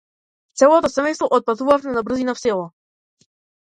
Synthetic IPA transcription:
t̪sɛlˠɔt̪ɔsɛmɛjst̪vɔʔɔt̪̚pat̪uvafmɛnabr̩zinafsɛlˠɔ

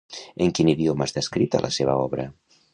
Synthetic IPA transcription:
eŋkiniðjomazðeskɾit̪a̰lʔa̰seβa̰ɔβɾɐ̰

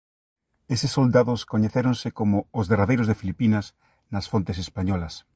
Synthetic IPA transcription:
esesːold̪aðoskoɲeθeɾonsɪkomoːzðeraðejɾozðefilipinas | nɐsfont̪esespaɲɔlɐs

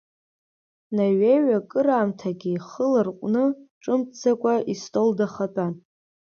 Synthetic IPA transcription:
naɥeɥakʼɨɾaːmtʰaɡʲiχəlɨrqʷʼnɨʈ͡ʂʼɨmt͡sʰakʷʼaʔistʼoldaχapʼan

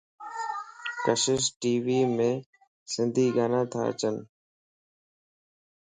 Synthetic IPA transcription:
kəʃɪsʈiːʋiːmẽː | sɪ̃nd̪ʱiːɡaːnãːt̪ʰa̰ːə̰t͡ʃən

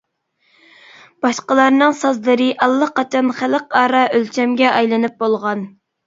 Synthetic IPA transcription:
b̥ɑʃqəlˠɑɾnɨŋsɑzlɨɾɨʔɑlˠːəqɑt͡ʃʰɑnχæləqɑːɾɑʔølt͡ʃʰɛmɡʲɛʔɑjlˠɨnɨp̚bolˠʁɑn

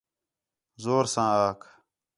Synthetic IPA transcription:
zoːɾsãːaːkʰ

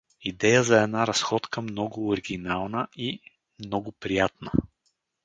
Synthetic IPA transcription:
id̪ɛjəzɐɛnaɾɐsxɔt̪kəmnɔɡʊːɾiɡʲinalˠnəi | mnɔɡʊpɾijat̪̚nə

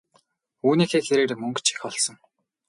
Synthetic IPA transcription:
uːniːxeːɮeɾeːɾeːmɵŋkt͡ɕi̥xɔɮsɞ̆ŋ

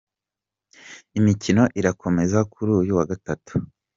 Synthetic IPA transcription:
imicino̞ʔiɾako̞me̞zakʰuɾujuwaɡatatu̥

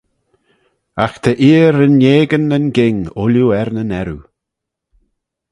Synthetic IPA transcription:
axt̪ʰəʔiːəɾənːjeːɡənənɡɪŋʊljuɛɾnənɛɾu

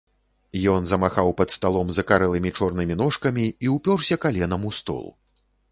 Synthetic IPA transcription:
jɔnzɐmaxawpɐt̪st̪alˠɔmzɐkaɾɛlˠɨmʲit͡ʂɔrnɨmʲinɔʂkɐmʲiːwpʲɔrsʲɐkalʲɛnɐmust̪ɔ̰lˠṵ

